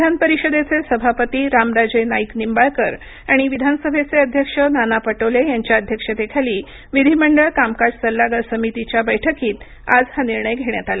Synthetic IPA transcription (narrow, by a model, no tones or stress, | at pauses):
id̪ʱanpəɾiɕəd̪et͡sesəbʱapət̪iːɾamɾad͡zenaiknimbaɭkəɾ | aɽ̃iʋid̪ʱansəbʱet͡seəd̪ʱjəkʂənanapəʈəʋlejaɲt͡ɕjaəd̪ʱjəkʂəd̪ekʰaliː | ʋid̪ʱiməɳɖəɭkamkad͡ʑsəlːaɡasəmit̪it͡ɕjabəjʈʰəkiːt̪ | ad͡zhaniɾɳəjɡʱeɽ̃jat̪ala